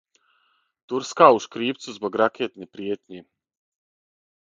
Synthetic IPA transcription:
t̪uɾskawʃkɾiːpt̪suzbaɡɾakʲiɛt̪ʲnʲipɾiɛt̪ʲɲʲi

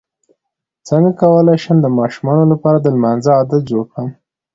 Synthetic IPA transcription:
t͡səŋɡakawəlajʃəmd̪əmɑʃumɑnolapɑɾad̪əlmanzəːd̪at̪̚d͡ʒoɽkɽəm

